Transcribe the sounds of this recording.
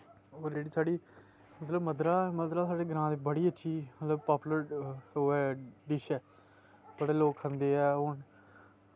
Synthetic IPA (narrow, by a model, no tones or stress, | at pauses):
oːɾd͡ʒeːɽiːsaːɽiː | mət̪ləbməd̪ɾaːməd̪ɾaːsaːɖeːɡɾãːt̪eːbəɽiːətːʃʰiːmət̪ləbpaːpːləɾoːɛːɖɪʃɛː | bəɽeːloːkɦənd̪eːɛːʊn